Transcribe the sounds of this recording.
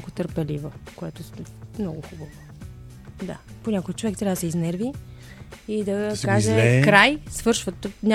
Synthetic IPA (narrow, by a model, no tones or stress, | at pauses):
kʊt̪əɾpɛlivokoɛt̪ʊmnɔɡʊxubəvo | d̪a̰ponʲɲʲakojət̪̚t͡ʃovɛkt̪ɾʲavəd̪sɛiznɛɾvi | id̪ɐkkaʒɛkɾajsvɤɾʃvət̪onʲ